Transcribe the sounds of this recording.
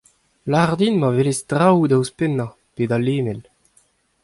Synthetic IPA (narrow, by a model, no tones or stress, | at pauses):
laʁd̪inmavelestʁawd̪awspɛnːa | peːd̪aleːmɛl